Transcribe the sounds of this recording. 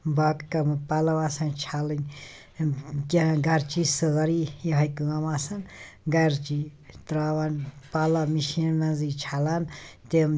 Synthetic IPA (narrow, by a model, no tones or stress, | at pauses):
baːkkɐmɨpaːlɐʋaːsɐnt͡ʃʰaːlɐn | kʲaɡɐɾt͡ʃisɨɣɐɾijɦɐkɨɣɐmaːsɐn | ɡɐɾt͡ʃit̪ɾaːʋaːnpaːlɐmiʃinnɐzit͡ʃʰaːlaːnt̪em